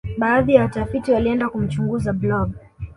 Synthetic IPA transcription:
ɓaːðijawatafitiwaliɛndakum̩t͡ʃuŋɡuzablɔɡ

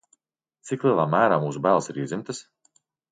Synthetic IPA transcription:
t̪siklˠiɛlˠaːmæːɾaːmuːsubæːlˠsiɾiːzʲimt̪ɨs

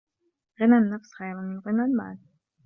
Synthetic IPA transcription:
ɣɪnanːafsxajɾamɪnɣɪnalma̰ːl

